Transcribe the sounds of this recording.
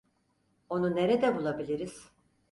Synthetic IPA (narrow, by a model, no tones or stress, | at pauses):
o̞nuneɾɛd̪ɛbulˠabilʲiɾiz̥